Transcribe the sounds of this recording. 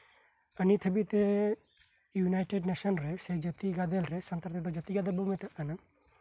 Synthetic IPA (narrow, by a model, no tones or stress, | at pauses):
ənit̪ʰəbit̪ɛ | junajʈeɖnesɔnɾɛsɛd͡ʒət̪iɡad̪elɾɛsənt̪aɾt̪ɛd̪ɔd͡ʒət̪iɡad̪ɛlbumɛt̪aʔkana